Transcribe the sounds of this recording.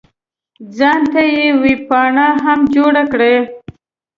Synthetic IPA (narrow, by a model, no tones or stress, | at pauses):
d͡zɑnt̪ajewipɑɳaɦamd͡ʒoɽakɽe